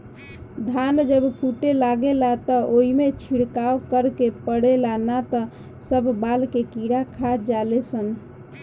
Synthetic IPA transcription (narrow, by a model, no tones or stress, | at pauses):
d̪ʱand͡ʒəbpʰuʈelaɡelat̪əoimet͡ʃʰiɽkawkəɾkepəɽelanat̪ə | səbʱbalkekiɽakʰad͡ʒalesən